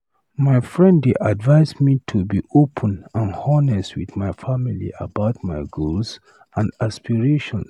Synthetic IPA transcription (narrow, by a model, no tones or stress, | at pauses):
maɪfɹɛ̃ndeʔadvaɪsmitʰubiʔopʰə̃nãnhɔnɛswḭðmaɪfamilḭʔa̰baʊt̚maɪɡols | ãndaspiɹeʃɔ̃ns